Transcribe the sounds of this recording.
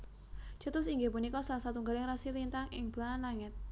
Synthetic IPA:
t͡ʃət̪ʊsiŋɡepunikɔsalasat̪uŋɡaljaŋɾasilint̪aŋɪŋb̥laanlaŋɪt̪̚

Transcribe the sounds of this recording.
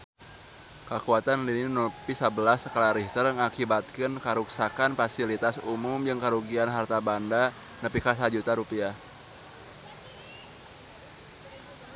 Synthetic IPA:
kəkuat̪anlinnopisabəlasəkəlaɾiht̪əɾŋakibat̪̚kɨnkaɾuksakanfasilit̪asumʊmd͡ʒɨŋkəɾuɡianɦart̪abanda | nəpikas̬ad͡ʒut̪aɾupia

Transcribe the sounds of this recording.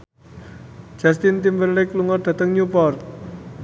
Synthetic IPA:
d͡ʒ̥ast̪ɪnt̪imbərlɛkluŋɔrd̥̪a̤t̪əŋɲupɔrt̪̚

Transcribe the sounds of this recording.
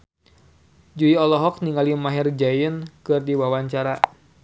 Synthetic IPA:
d͡ʒuiɔlɔɦɔk̚niŋalimaɦɛrd͡ʒajənkɨrdiwawaɲt͡ʃaɾa

